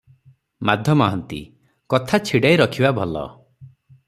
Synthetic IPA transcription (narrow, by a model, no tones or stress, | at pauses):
mad̪ʱjɔmaɦɔnt̪ḭ | kɔt̪ʰat͡ʃʰiɽajɾɔkʰibabʱɔlɔ̰